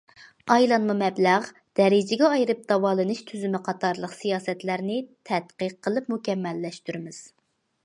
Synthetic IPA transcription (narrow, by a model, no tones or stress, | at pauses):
ɑjlˠɑnmumɛblæʁ | d̪̥ɛɾɪd͡ʒɪɡʲɛɑjɾɨp̚d̪̥ɑwɑːlˠɨnɨʃt̪ʰyzymɪqʰɑt̪ʰɑɾlˠəqsijɑːsɛt̪læɾnɪt̪ʰɛt̪qəqʰːəlˠɨpmukʲɛmːɛlːɛʃt̪yɾɪmɪz̥